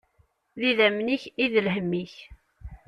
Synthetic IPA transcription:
ðiðæmniçiðəlɦəmːiç

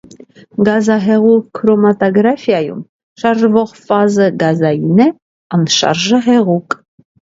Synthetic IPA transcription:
ɡɑzɑɦɛʁukʰɾɔmɑt̪ɔɡɾɑfjɑjṵm | ʃɑɾʒvɔʁfɑzəɡɑzɑjinɛ | ɑnʃɑ̰ɾʒəɦɛʁukʼ

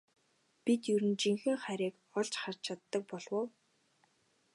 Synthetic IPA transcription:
pit̪jɵɾɘ̆nt͡ɕiŋxɘ̆ŋχæɾʲiːk | ɔɮt͡ɕχar̥t͡ɕʰat̪ːə̆k̚pɔɮwə̆w

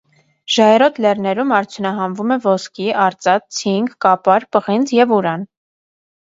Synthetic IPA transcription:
ʒ̥ɑɛɾɔt̪lɛrnɛɾumɑɾt͡sʰjunɑɦɑmvumɛvɔskiʔɑɾt͡sɑt͡s̚t͡sʰiŋɡːɑpɑɾpəʁint͡sjɛvuɾɑn

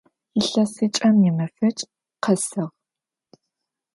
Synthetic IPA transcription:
jɪɬɐsɨt͡ʃʼɐmjɪmɐfɐt͡ʃʼ | qʰɐsɨʁ

